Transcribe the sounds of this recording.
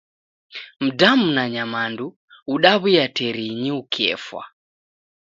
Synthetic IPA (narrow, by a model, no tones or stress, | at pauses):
m̩damunaɲamandu | uɗaβujatɛɾiɲiukʰɛ̰fwa̰